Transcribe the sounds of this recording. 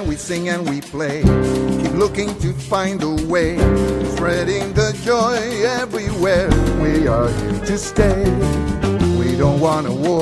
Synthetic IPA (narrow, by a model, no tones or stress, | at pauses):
nwisɪ̃ŋɨ̃nwipʰl̥eɪkʰiplʊkɪ̃ŋtʰɨfãɪ̃ndəweɪspɹɛɾɪ̃ŋðɨd͡ʒɔɪɛvɹiwɛɹwiə˞hḭɹɾɨsteɪ | widõʊ̃nt̚wɑ̃nəwɔ